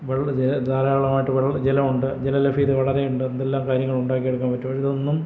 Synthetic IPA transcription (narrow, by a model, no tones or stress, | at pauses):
ʋeɭd͡ʑelɐd̪aːlɐjaːɭɐmaːjʈːɨʋeɭd͡ʑelɐmuɳɖɨd͡ʑelɐlɐfiːðɨʋɐɭɐɾe̞juɳɖɨend̪elːaːmkaːɾjɐŋːɐɭuɳɖaːkːijeɽukːaːmpɐtːumɐiðo̞nːum